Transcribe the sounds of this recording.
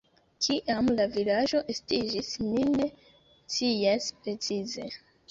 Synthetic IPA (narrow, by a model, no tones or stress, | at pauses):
kʰiʔamlavilaʒo̞ʔe̞stid͡ʒismine̞ | t͡sijaspɾe̞t͡size̞